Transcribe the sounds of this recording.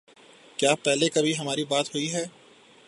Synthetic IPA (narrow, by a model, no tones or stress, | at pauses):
kjaːpɛɦlekɐbʱiɦɐmaːɾibaːt̪ɦʊiɦɛː